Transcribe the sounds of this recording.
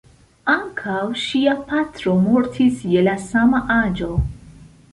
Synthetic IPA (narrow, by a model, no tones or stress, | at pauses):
aŋkʰawʃiapat̪ɾo̞mo̞ɾtʰisje̞lasamaʔad͡ʒo̞